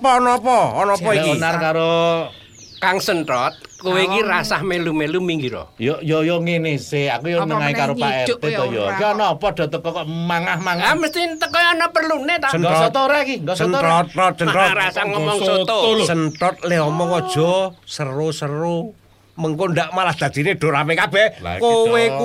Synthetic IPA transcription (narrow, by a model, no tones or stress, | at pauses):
pɔːnɔpɔɔnɔɔinarkaɾo | kaŋsəntɔt̪̚kuwekiɾasahmelumelumiŋɡiɾɔ̰jɔjojoŋenɪseakujonəŋaikaɾopaɛrt̪et̪ɔjɔkiɔnɔpɔd̥ɔ̤t̪əkɔkmaŋahmaŋaməst̪int̪əkɔjɔnɔpərlunet̪aəŋnɡɔsɔt̪t̪oɾekiŋɡɔsənɔt̪̚ɔt̪̚sənɔɾasaŋɔmɔŋsot̪səntɔt̪̚leɔmɔŋɔd̥ʒ̥ɔ̤sərosəɾu | məŋkond̪aʔmalahd̪̥a̤d̪̥i̤neɖ̥o̤ɾapekab̥ɛhkowe